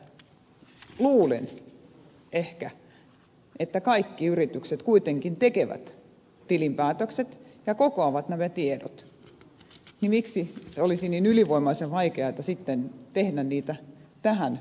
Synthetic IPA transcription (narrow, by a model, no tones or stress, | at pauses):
luːlḛn | ehkæ | ʔet̪ːækɑikːiyrit̪ykset̪kuit̪eŋkint̪ekeʋæ̰t̪ | t̪ilimpæːt̪økset̪jɑkokoɑʋɑt̪næmæt̪iedo̰t̪ | nimiksiolisiniːnyliʋoimɑiseʋʋɑikeɑit̪ɑsit̪ːent̪ehdænniːt̪æt̪æhæn